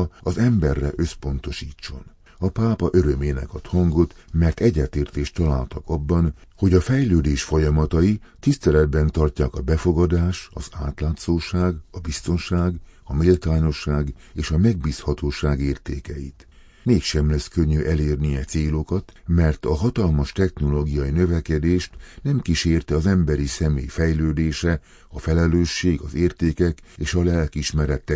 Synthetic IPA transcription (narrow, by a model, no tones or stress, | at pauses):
ɒzɛmbɛrːɛ̰ʔø̞spo̞nt̪o̞ʃiːt͡ʃːo̞̰n | ɒpaːpɒʔøɾø̞meːnɛ̰kɒt̪hɒŋɡo̞t̪mɛrt̪ɛɟːɛt̪eːrt̪eːʃt̪ːɒlaːlt̪ɒkɒbːɒnho̞ɟɒfɛjløːd̪eːʃfo̞jɒmɒt̪ɒjit̪ist̪ɛlɛd̪bɛnt̪ɒrcaːkɒbɛfo̞ɡɒd̪aːʃt̪ɒzaːt̪laːt̪soːʃaːɡɒbist̪o̞nʃaːɡɒmilt̪aːɲo̞ʃːaːɡ | eːʃɒmɛɡ̚biːshɒt̪oːʃaːɡeːrt̪eːkɛjḭt̪ | meːkʃɛmlɛskøɲːyʔɛleːrniɛt̪seːlo̞kɒt̪mɛrt̪ɒɦɒt̪ɒlmɒʃt̪ɛxno̞loːɡijɒjinø̞vɛkɛd̪eːʃt̪nɛmkiʃeːrt̪ɛɒzɛmbɛɾisɛmḛːjfɛjløːd̪eːʃɛ | ɒfɛlɛløːʃːeːɡɒzeːrt̪eːkɛkeːʃɒlɛlkiʃmɛɾɛt̪ːɛ